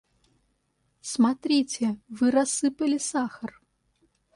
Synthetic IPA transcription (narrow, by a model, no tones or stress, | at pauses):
smat̪ɾʲit͡sʲɛvɨɾasːɨpɐlʲɪsaxɐr